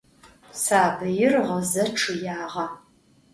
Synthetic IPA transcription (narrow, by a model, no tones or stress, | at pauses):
saːbɐjɪrʁəzɐʈ͡ʂʰɨjaːʁɐ